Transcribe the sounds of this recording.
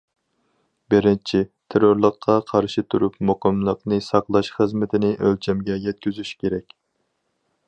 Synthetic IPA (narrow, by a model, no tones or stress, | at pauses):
bɪɾɪnt͡ʃʰit̪ʰeɾoɾlˠəqʰːɑqʰɑɾʃit̪ʰuɾupnmoqəmlˠəqnɨsɑqlˠɑʃχəzmɪt̪ʰɪnɪʔølt͡ʃʰɛmɡʲɛjɛt̪̚kʲyzyʃkʲʰeɾɛkʲ